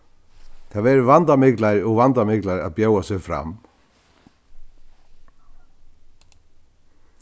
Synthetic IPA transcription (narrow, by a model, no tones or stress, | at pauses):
θavɛːɾʏvant̪amɪklaɾɔɣvant̪amɪklaɾa̰ðpjoːwasɛɣfɾa̰m